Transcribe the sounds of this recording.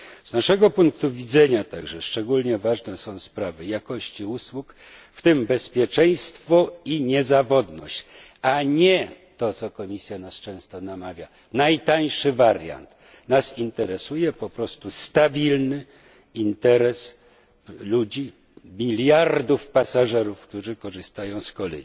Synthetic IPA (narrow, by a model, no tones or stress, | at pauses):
znaʂɛɡɔpuŋk̚t̪uvʲid̪zɛɲat̪aɡʐɛʂt͡ʂɛɡulɲɛvaʐnɛsɔ̃w̃spɾavɘjakɔɕt͡ɕiuswukft̪ɘmbɛspʲjɛt͡ʂɛj̃st̪fɔiɲɛzavɔd̪nɔ̰ɕt͡ɕaɲɛt̪ɔt̪sɔkɔmʲisʲjanast͡ʂɛ̃w̃st̪ɔnamavʲja | najt̪aj̃ʂɘvaɾja̰nt̪ | nasint̪ɛɾɛsujɛpɔpɾɔst̪ust̪abʲilnɘ | int̪ɛɾɛs | lud͡ʑi | mʲilʲjaɾd̪ufpasaʐɛɾufkt̪uʐɘkɔʐɘst̪ajɔ̃w̃skɔlɛ̰ji